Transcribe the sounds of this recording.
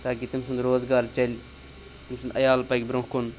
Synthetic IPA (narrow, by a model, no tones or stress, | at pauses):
t̪aːk̬it̪imsund̪ɾoːzɡaːɾt͡ʃɐlʲ | t̪imsund̪ɐjaːlpajkʲbɾõkon